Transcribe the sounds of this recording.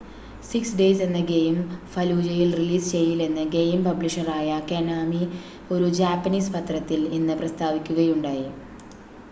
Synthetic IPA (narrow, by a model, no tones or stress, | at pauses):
siksɖe̞ːse̞nːɐɡe̞jmfɐluːd͡ʑɐjilriliːst͡ɕe̞jːile̞nːɨɡe̞jmpɐbliʂɐraːjɐkenaːmi | o̞ɾud͡ʑaːpːɐniːspɐt̪rɐt̪ːilinːɨprɐst̪ʰaːʋikʲːuɣɐjuɳɖaːji